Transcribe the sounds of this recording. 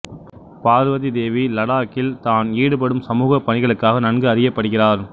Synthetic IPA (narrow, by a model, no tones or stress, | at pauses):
paːɾɯʋɐðid̪eːʋilɐɽaːkːɪlt̪aːniːɽɯp̬ɐɽɯmsɐmuːɣɐpːɐɳɪɣɐɭɯkːaːɣɐnɐnɡɯɐɾɪjɐpːɐɽɯɣɪraːɾ